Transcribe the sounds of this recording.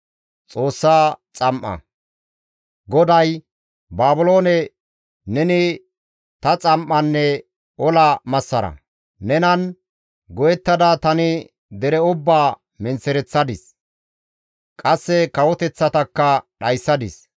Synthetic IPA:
t͡sʼo̞ːsːaːt͡sʼɐmʔːɐ̰ | ɡɔd̪ɐj | baːbʊlo̞ːnɛ | nɛnɪ | t̪ɐt͡sʼɐmʔːɐnːɛ | ɔlɐmɐsːɐɾɐ̰ | nɛnɐn | ɡɔjɛt̪ːɐd̪ɐt̪ɐnɪ | d̪ɛɾɛʊbːaː | mɛnt͡sːɛɾɛt͡sːɐd̪ɪs | kʼɐsːɛkɐwɔt̪ɛt͡sːɐt̪ɐkːɐɗɐjsːɐd̪ɪs

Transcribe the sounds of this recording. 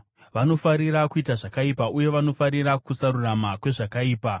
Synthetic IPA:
ʋano̞faɾiɾakuitaʐakaipauje̞ʋano̞faɾirakusaɾuramakwe̞ʐakaiːpa

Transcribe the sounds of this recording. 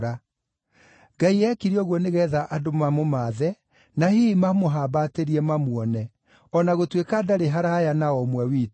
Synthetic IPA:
ɾa | ɡaiɛkiɾiɔɣwɔneɣɛːðaʔadomamomaːðɛ | nahimamoɦaːbateɾiɛmamwɔnɛ | ɔnaɣotwekadaɾeɦaɾajanaɔmwɛwiːt

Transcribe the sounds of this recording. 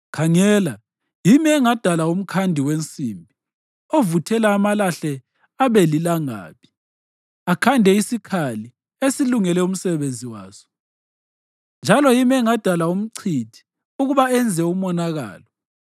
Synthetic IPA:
kʰaŋɛːla | jimiɛŋad̥ʱalaum̩kʰandʱiwent͡sʼiːmbʱi | ovutʰɛlaːmalaɬɛ | aβelilaŋa̰ːpʰi̥ | akʰandʱɛisikʰali | esiluŋɛlɛum̩sɛβend͡zʱiwa̰ːsɔ̥ | nd͡ʒʱalɔjimɛŋad̥ʱalaum̩ǀʰitʰi̥ | uɣuβaɛnd͡zʱɛumɔnaɣa̰ːlɔ

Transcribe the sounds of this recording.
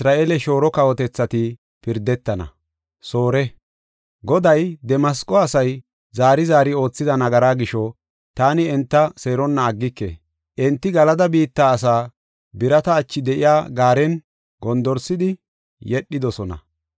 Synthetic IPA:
sɾaːʔeːlɛʃo̞ːɾɔkɐwɔt̪ɛt͡sːɐt̪ɪ | pɪɾd̪ɛt̪ːɐnɐ̰ | soːɾɛ | ɡɔd̪ɐjd̪ɛmɐskʼɔɐsɐj | zaːɾɪzaːɾɪo̞ːt͡sːɪd̪ɐnɐɡɐɾaːɡɪʃɔ | t̪aːnɪɛnt̪ːɐseːɾɔnːɐːɡːɪkːḛ | ʔɛnt̪ːɪɡɐlɐd̪ɐbiːt̪ːaːsaː | bɪɾɐt̪ɐːt͡ʃːɪd̪ɛʔɪjaːɡaːɾɛn | ɡɔnd̪ɔɾsɪd̪ɪ | jɛɗːɪd̪ɔsɔnɐ̰

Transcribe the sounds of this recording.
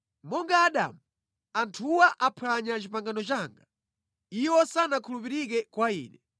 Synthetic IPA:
mɔŋɡaːɗa̰mu | antʰuwaʔapʰwaɲat͡ʃipaŋɡanɔt͡ʃaːŋɡa | iwɔsanakʰulupiɾik̬ɛkwaḭːnɛ

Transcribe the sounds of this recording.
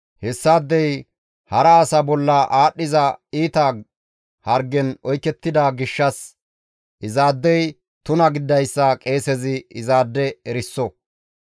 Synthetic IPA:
hɛsːaːd̪ːɛj | hɐɾɐːsɐbɔlːɐʔaːɗːɪzɐiːt̪ɐ | hɐɾɡɛnɔjkːɛt̪ːɪd̪ɐɡɪʃːɐs | ʔɪzaːd̪ːɛj | t̪ʊnɐɡɪd̪ːɐjsːɐkʼe̞ːsɛzɪɪzaːd̪ːɛɛɾɪsːɔ

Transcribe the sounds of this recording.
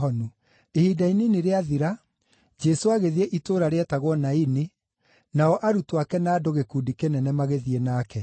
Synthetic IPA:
ɔnu | ehidaineneɾeaðiɾa | d͡ʒɛsoaɣeðieʔitoːɾaɾeɛtaɣwɔnaine | naɔʔaɾutwakɛnaːdoɣekuːdikenɛnɛmaɣeðienaːkɛ

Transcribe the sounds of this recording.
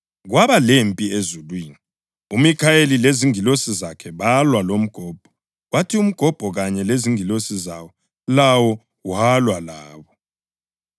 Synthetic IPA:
ɣwaβalempʼiezulwiːni | umikʰaelileziŋilosizakʰɛβalwalom̩ɡ̥ʱɔːb̥ʱɔ̥ | watʰium̩ɡ̥ʱɔb̥ʱɔɣaɲɛleziŋilosizawɔ | lawɔ | walwalaːβɔ

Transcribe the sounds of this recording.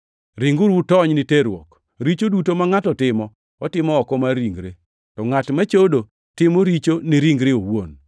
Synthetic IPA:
ɾɪŋɡʊɾwutɔɲniteɾwɔ̰k | ɾit͡ʃodutomaŋatɔtɪmɔ | ɔtɪmɔɔkɔmaɾiŋɡɾḛ | tɔŋatmat͡ʃodo | tɪmoɾit͡ʃoniɾiŋɡɾeowo̰n

